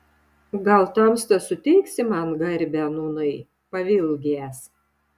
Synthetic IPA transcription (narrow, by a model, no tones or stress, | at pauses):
ɡɐlˠt̪ɐmst̪ɐsʊt̪ʲɛɪksʲɪmɑnɡɐɾʲbʲænuːnɐɪ | pɐʋʲɪlʲˠɡʲeːs